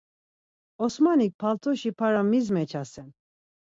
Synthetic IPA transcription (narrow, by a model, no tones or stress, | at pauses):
ɔsmanik̚pʰalt̪ʰɔʃipʰaɾamizmɛt͡ʃʰasɛm